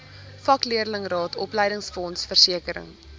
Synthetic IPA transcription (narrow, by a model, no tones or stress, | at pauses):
fɐkliəɾələŋrɑːtʰɔpləjɾəŋsfɔnsfərsiəkəɾə̰ŋ